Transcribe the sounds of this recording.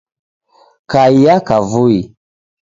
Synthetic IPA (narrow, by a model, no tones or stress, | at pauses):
kaijakavui